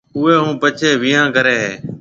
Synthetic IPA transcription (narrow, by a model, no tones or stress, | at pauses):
ʊːeːɦũːpət͡ʃʰeːʋiːãːkəɾeːɦeː